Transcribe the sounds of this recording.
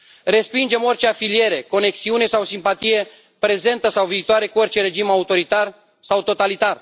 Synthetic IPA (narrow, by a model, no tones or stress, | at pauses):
re̞spind͡ʒe̞mo̞rt͡ʃe̞afilie̞ɾe̞ko̞ne̞ksiune̞sawsimpat̪ije̞ | pɾe̞ze̞nt̪əsawviːt̪oaɾe̞kuo̞rʲt͡ʃe̞ɾe̞d͡ʒimaut̪o̞ɾit̪ar | sawt̪o̞t̪alit̪ar